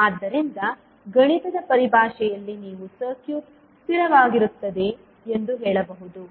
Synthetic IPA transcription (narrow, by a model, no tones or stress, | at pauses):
aːd̪ːɐɾint̪ɐ | ɡɐɳit̪ɐd̪ɐpɐɾibʱaːʃɛjɐlːiniːʋusɐɾkjuːʈ̚ | st̪iɾɐʋaːɡiɾut̪ːɐd̪e̞ | end̪uɦɛːɭɐbɐɦud̪u